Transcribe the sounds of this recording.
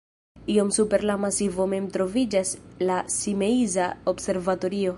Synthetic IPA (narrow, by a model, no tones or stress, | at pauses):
io̞msupe̞ɾlamasivo̞me̞mtɾo̞vid͡ʒaslasime̞izaobse̞ɾvato̞ɾio̞